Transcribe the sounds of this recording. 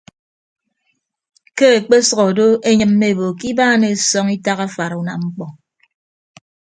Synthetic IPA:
ke˦e˨k͡pe˦sɔ˨ɣɔ˨do˦e˦ɲɨ˦mːe˦˨bo˨ki˦baː˦ne˨sɔ˦ŋi˦ta˦ɣa˦fa˨ɾu˨na̰˨ŋ͡m̩˦k͡pɔ˨

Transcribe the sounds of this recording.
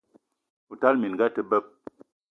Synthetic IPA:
u˨ta˦lmi˨n˨ɡa˦tə˦bə˦p̚

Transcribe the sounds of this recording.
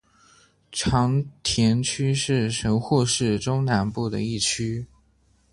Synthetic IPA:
ʈ͡ʂʰɑ˧˥ŋt̪ʰjɛ˧˥nt͡ɕʰy˥ʂɻ̩˥˩ʂə˧˥ŋxu˥˧ʂɻ̩˥˩ʈ͡ʂʊ˥ŋna˧˥npu˥˩d̪ə̰˩i˥˩t͡ɕʰy˥

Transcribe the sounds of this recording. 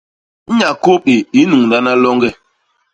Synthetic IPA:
ɲa˨ko˦pe˨i˦nu˨ŋnda˦na˦lɔ˦ŋɡɛ˦˨

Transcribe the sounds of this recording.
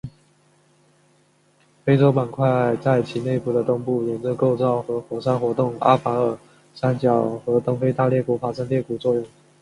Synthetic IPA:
fe˥ɪt͡so˥ʊpa˨˩nkʰwa˥˧ɪa˥˩ɪt͡sa˥˩ɪt͡ɕʰi˧˥ne˥˧ɪpu˥˩d̪ə˨t̪ʊ˥ŋpu˥˩jɛ˧˨˩nt͡sɤ˥˧ko˥˧ʊt͡sɑ˥˩ʊxɤ˧˥xwɔ˨˩ʂa˥nxwɔ˧˥t̪ʊ˥˩ŋa̰˥fa˧˥ə˨˩ | sa˥nt͡ɕjɑ˨˩ʊxɤ˧˥t̪ʊ˥ŋfe˥ɪt̪a˥˧ljɛ˥˩kwɔ˧˩fa˧˥ʂa˥nt̪jɛ˥˩ku˨˩t͡swɔ˥˧jʊ˥˩ŋ

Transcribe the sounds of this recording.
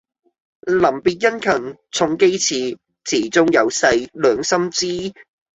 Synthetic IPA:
lɐ˨˩mpiː˨t̚jɐ˥nkʰɐ˨˩ŋt͡sʰʊ˧ŋke˥jt͡sʰiː˨˧ | t͡sʰiː˨˩t͡sʊ˥ŋjɐ˨˧wsɐ˧jlœː˨˧ŋsɐ˥mt͡siː˥

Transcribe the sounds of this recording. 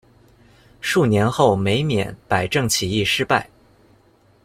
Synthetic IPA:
ʂu˥˩njɛ˧˥nxo˥˩ʊme˧˥ɪmjɛ̰˨˧˥npa˨˩ɪʈ͡ʂɤ˥˩ŋt͡ɕʰi˨˩i˥˩ʂɻ̩˥pa˥˩ɪ

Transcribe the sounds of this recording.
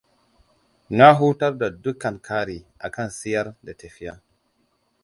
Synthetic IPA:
na˦ɦu˦ta˦ɾda˨du˦kːa˨nkʰa˦ɾi˨a˨ka˦nsi˦ja˦ɾda˨te˨fi˦ja˦

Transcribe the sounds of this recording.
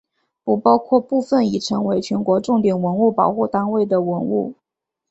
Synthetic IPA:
u˨˩pɑ˥ʊkʰwɔ˥˧pu˥˧fə˥˩ni˨˩ʈ͡ʂʰɤ˧˥ŋwe˧˥ɪt͡ɕʰɥɛ˧˥nkwɔ˧˥ʈ͡ʂʊ˥˩ŋt̪jɛ˨˩nwə˧˥nu˥˩pɑ˨˩ʊxu˥˩t̪a˥nwe˥˩ɪd̪ə˩wə˧˥nṵ˥˩

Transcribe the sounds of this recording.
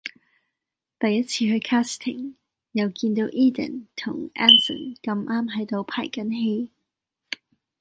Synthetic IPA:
t̪ɐ˨jːɐ˥t̚t͡sʰiː˧hɵ˧kʰaː˥st̪ʰɪ̰˨˩ŋ | jɐ˨˧wkiː˧nt̪o˨˧˥wʔiː˥d̪ə̰˨˩nt̪ʰʊ˨˩ŋʔaː˥nsə̰˨˩nkɐ˧mʔaː˥mɦɐ˨˥jt̪o˧wpʰa̰ː˨˩jkɐ˨˥nɦe˧˥j

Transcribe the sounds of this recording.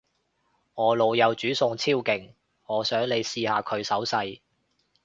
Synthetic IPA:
ŋɔː˨˧lo˨wjɐ˨˧wt͡ʃyː˨˥sʊ˧ŋt͡sʰiː˥wkɪ˨ŋ | ŋɔː˨˧sœː˨˥ŋle˨˧jsiː˧haː˨˧kʰɵ˨˧ɥsɐ˨˥wsɐ˧j

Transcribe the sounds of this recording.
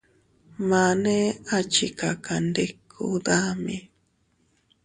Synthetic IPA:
ma˨ne˦at͡ʃika˨kʰa˨nde˦kʰṵ˦d̪a˦mi˨

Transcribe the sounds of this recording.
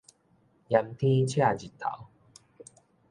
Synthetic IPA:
ja˧mt̪ʰĩ˦t͡ɕʰja˥˨d͡ʑi˨˩t̪ʰːa̰˨˦w

